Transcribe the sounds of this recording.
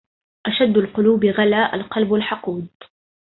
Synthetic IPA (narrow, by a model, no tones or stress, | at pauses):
ʔaʃad̪ːalqʊluːbɪɣalaːʔa̰lqɑlbalħɑquːd̪